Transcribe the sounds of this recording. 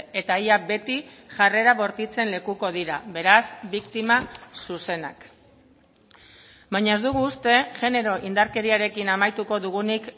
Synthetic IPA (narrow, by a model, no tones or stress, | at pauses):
e̞t̪aiak̚be̞t̪i | ʝare̞ɾaβo̞ɾt̪it͡se̞nle̞kuko̞ð̞iɾaβe̞ɾasbikt̪imasuse̞na̰k | bajɲae̞zd̪uɣ̞uːst̪e̞ʝe̞ne̞ɾo̞ʔind̪aɾke̞ɾiaɾe̞kinamajt̪uko̞ðuɣ̞unik